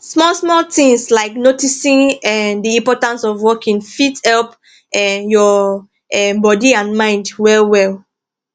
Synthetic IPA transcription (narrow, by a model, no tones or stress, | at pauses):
smɔlsmɔltĩŋslaɪknotisĩŋɛdiĩmpɔtãnsɔvwɔkĩŋfithɛlˠp | ɛjɔ | ɛbɔdiãnmãɪ̃ndwɛlwɛlˠ